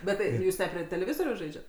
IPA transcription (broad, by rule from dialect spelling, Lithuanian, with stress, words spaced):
bʲɛt ˈtɐɪ ˈjuːs nʲɛ pʲrʲiɛ tʲɛlʲɛˈʋʲɪzoːrʲɛʊs ˈʒɐɪd͡ʒʲɛt